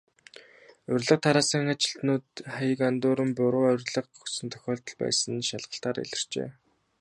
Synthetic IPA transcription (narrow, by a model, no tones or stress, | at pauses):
ʊrʲɮə̆q̚t̪ʰaɾaːsə̆ŋat͡ɕɪ̆ɬt̪nuːt̪χajə̆kant̪ʊːɾə̆mpʊɾʊːœrʲɮə̆qʊsɵ̆nt̪ʰœ̥xʲɔːɮt̪ɞ̆ɮpæ̰ːsə̆nʃaɮʁə̆ɬt̪aːɾḛɮɪ̆r̥t͡ɕḛː